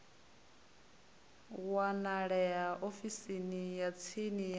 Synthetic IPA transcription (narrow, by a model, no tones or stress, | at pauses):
wanaɺɛjaʔofisinijat͡sʰinij